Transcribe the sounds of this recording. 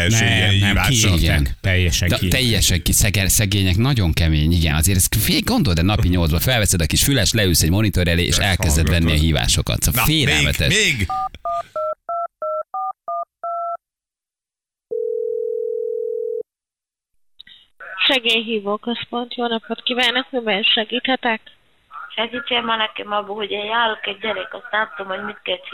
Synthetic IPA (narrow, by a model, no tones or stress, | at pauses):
ɛiaiɡɛnɛjːɛʃɛd̪ɛt̪ɛjːɛʃɛŋkisɛɡɛsɛɡeːɲɛknɒɟo̞ŋkɛmeːɲiɡɛnɒzeːɾɛsfeːɡo̞nd̪o̞ld̪ɛnɒpiɲo̞ldzbɒfɛlvɛsɛd̪ɒkiʃfylɛʃlɛylsɛɟmo̞nit̪o̞ɾɛlḛːʔḛːʃɛlkɛzd̪ɛt̪vɛnːiɒɦiːva̰ːʃo̞kɒ̰t̪sɒfeːlɛlːmɛt̪ɛ̰ʃmeːɡ | ʃɛɡeːjɦiːvoːkøspo̞nt̪joːnɒpot̪kivaːnːɒkmibɛlʃɛɡiːt̪hɛt̪ɛk | ʃɛɡiːt͡ʃemanɛkɛmɒbːohoɟeːjaːɾokɛɟ̚ːɛɾɛkɒst̪aːt̪ːomhoɟmit̪̚kɛt͡ʃ